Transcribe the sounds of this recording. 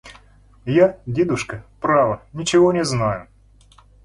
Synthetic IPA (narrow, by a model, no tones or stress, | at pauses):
jadʲed̪ʊʂkəpɾavənʲɪt͡ɕɪvonʲɪznajʊ